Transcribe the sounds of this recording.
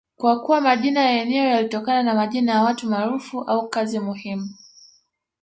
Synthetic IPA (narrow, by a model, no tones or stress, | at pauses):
kwakuwamaʄinajaɛnɛɔjalitɔkananamaʄinajawatumaɾufuʔaukazimuhimu